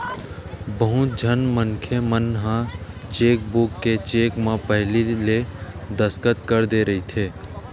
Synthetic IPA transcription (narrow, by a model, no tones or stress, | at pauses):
bəɦʊt̪̚d͡ʒʱənmənkʰemənɦã | t͡ʃeːk̚bʊkːet͡ʃeːkmãpəɦliled̪əskət̪kəɾd̪eɾəɦit̪ʰeː